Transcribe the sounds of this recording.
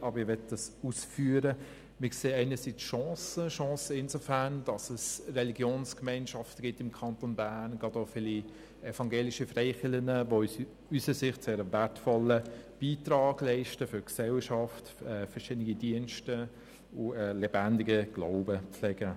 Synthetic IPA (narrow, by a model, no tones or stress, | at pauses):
ʔɑbəɾɪʋɛtd̥ɑsusfyːəɾə | mɪkseːɛɪnəsit͡sʃɔ̃ːsəʃɔ̃ːsəɪnsofæɾnd̥ɑsəsrɛliɡjoːnskmɛɪnʃɑftəɡ̥ɪtɪmkʰɑntonbænɡɑdofɪli | ɛfɑŋɡeːliʃifrɛɪχɪlənəʋo | ysəsɪχtseːɾəvætfɔləb̥iːtɾɑːɡ̥lɛɪʃtəfʏɾksɛlʃɑftɛːfɛʃɪdnɪɡidiənʃtə | ʊɛlɛbændɪɡəɡ̥la̰ʊbəpp͡flɛɡ̥ə